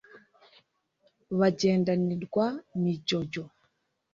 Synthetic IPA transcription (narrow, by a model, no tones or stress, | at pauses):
βad͡ʒɛndaniɗɡwanid͡ʒɔɟɔ